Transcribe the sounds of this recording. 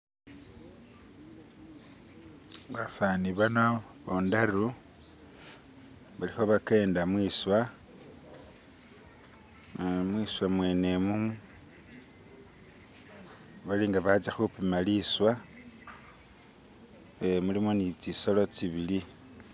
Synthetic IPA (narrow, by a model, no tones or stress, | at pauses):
ɡasaniβano | βondaru | βalixo̞βake̞ːndamwiswa | mwiswamwe̞ːne̞mumu | βaliŋɡaβat͡saxupimaliswa | emulimonit͡siso̞lo̞t͡siβili